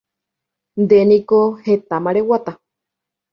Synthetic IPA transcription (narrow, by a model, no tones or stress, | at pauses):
nd̪enĩkohet̪amaɾewat̪a